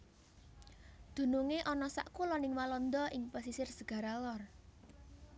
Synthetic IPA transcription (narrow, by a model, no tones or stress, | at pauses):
d̪̥ṳnuŋeʔɔnɔsa̰ʔkulɔnɪŋwalɔnd̪ɔʔɪŋpasisɪrsəɡ̥a̤ɾalɔr